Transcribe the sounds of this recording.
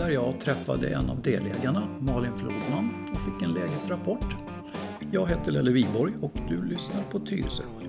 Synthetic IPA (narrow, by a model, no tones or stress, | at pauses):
æɾjɑːt̪ʰɾɛfːa̰d̪ə̰ʔɛ̰nːa̰vd̪eːlḛːɡaɳamɑːɭɪnflṵːd̪manː | ɔfɪkːɛnleːɡəsɾapʰɔʈː | jɑːɡɦeːt̪əlɛlːəviːbɔɾjɔkd̪ɵlʏsnaɾpʰɔt̪ʰyːɾə̰lsəɾɑːd̪j